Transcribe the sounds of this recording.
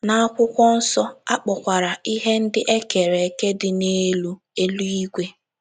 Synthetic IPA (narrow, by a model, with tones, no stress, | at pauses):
na˦a˦kʷʊ˦kʷɔ˦n̩˦sɔ˦a˦k͡pɔ˨kʷa˨ɾa˨i˦ɦe˦n̩˦dɪ˦ʔe˦ke˨ɾe˨ke˦dɪ˨ne˦lu˦ | e˦lu˦i˦ɡʷe˦